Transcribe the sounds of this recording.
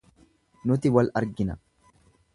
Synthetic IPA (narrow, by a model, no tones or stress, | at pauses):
nʊt̪ɪwɐlɐɾɡɪnɐ